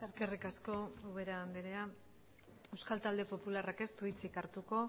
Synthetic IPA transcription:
eske̞rikasko̞uβe̞ɾand̪iɾea | e̞wskalt̪ald̪e̞po̞pularake̞st̪uit͡sikaɾt̪uko̞

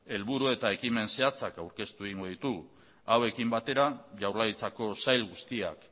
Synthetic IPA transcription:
e̞lβuɾue̞t̪ae̞kime̞nse̞at͡sakawɾke̞st̪ueɣiŋɡo̞ðit̪u | awe̞kimbat̪e̞ɾaʝawrlait͡sako̞sajlɣust̪ia̰k

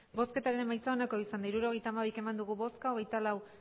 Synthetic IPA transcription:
bo̞ske̞t̪aɾe̞nmajt͡sao̞nako̞isand̪aiɾuɾo̞ɣ̞e̞jt̪aːmaβ̞ike̞mand̪uɣ̞uβo̞skaoɣ̞e̞jt̪alaw

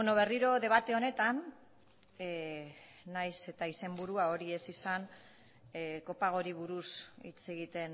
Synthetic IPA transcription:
beno̞βe̞riɾo̞ðe̞β̞at̪e̞one̞t̪an | najse̞t̪aise̞mbuɾuao̞ɾie̞sisan | ko̞paɣ̞o̞ɾiβ̞uɾusḭt͡se̞ɣ̞it̪e̞n

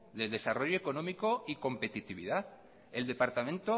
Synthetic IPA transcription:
d̪e̞ld̪e̞saro̞ʝoeko̞nõ̞miko̞iko̞mpe̞t̪it̪iβḭða | e̞ld̪e̞paɾt̪amẽ̞nt̪o

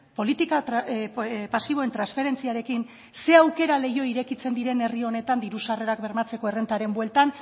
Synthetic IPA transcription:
po̞lit̪ika | pasiβ̞o̞e̞nt̪ɾansfe̞ɾe̞nt͡siaɾe̞kin | se̞awke̞ɾale̞jo̞iɾe̞kit͡se̞nd̪iɾe̞nerio̞ne̞t̪and̪iɾusare̞ɾakbeɾmat͡se̞ko̞e̞re̞nt̪aɾe̞mbwelt̪an

